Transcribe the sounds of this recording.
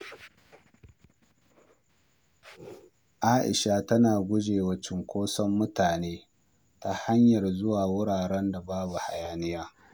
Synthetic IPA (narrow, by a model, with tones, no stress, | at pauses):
ʔaː˦ʔɪ̰˨ʃa˦˨tɐ˦naː˨ɡʷʊ˦d͡ʒeː˨wɐ˦t͡ʃɪ˨ŋkʷoː˦sɔ˦mːʊ˦taː˨neː˦ | ta˦ha˦ɲjɐ˨rzʊ˦waː˨wʊ˦ɽaː˨ɽɛ˦nda˨baː˦bu˨ha˨jaː˦nɪ˦jaː˦